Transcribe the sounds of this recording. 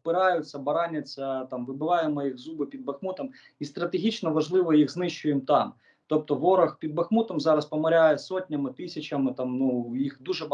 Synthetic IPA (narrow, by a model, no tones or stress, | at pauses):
pɪɾɑjʊt͡sʲːɐbɐɾɑnʲːɐt͡sʲːɐt̪ɑmʋɪbɪʋɑjemɔjiɣzubɪpʲid̪̚bɐxmut̪ɔm | ist̪ɾɐt̪eɦʲit͡ʃnɔʋɐʒlˠɪʋɔjiɣznɪʃʊjɛmt̪ɑm | t̪ɔp̚t̪ɔʋɔɾɐxpʲid̪bɐxmut̪ɔmzɑɾɐspɐmɐɾʲajɛsɔtʲnʲɐmɪt̪ɪsʲɐt͡ʃɐmɪt̪ɑmnujixd̪uʒɛb